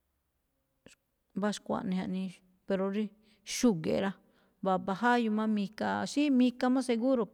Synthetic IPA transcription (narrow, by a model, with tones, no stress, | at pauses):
βa˦ʃkʷa̰˨nĩ˧ɦa˧nĩ˧ | pe˧ɾo˧ɾi˧ | ʃu˦˧ɡḛ˨ɾa˧ | βa˨βa˧ɦa˦ju˧mã˦mĩ˧ka˧ʃi˦mĩ˧ka˧mã˦se˧ɣu˦ɾo˨